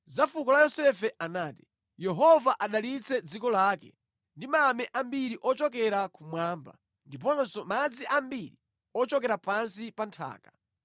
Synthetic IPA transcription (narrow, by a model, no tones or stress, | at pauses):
zafukɔlajɔsɛfɛʔanaːti̥ | jɛɦɔvaʔaɗalit͡sɛd͡zikɔlaːkɛ̰ | ndimamɛʔambiɾiʔɔt͡ʃɔk̬ɛɾakʰumwaːmba̰ | ndip̬ɔnsɔmad͡ziʔambiɾi | ɔt͡ʃɔkɛɾapansipantʰa̰ːka